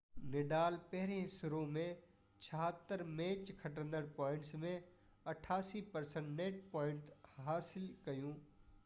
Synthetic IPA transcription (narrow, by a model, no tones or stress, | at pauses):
nɪɖaːlpɐɦɪɾẽsʊɾõmẽ | t͡ʃʰɐɦat̪ːəɾmẽːt͡ʃkʰɐʈ̬ə̃nd̪əɽ̃pɔːɪɳʈsmẽ | ɐʈʰaːsipɐɾsə̃ɳʈneːʈ̚pɔːɪ̃ɳʈhaːsɪlkɐjũː